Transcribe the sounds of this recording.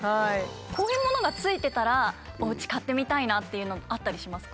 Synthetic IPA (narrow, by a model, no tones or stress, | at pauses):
haiko̞ːjɯ̟ːmo̞no̞ɡat͡sɨit̪e̞t̪aɾa | oɯ̟t͡ɕi̥kat̪ːe̞mʲit̪ainat̪ːe̞jɯ̟ːno̞at̪ːaɾʲiɕimasɨ̥k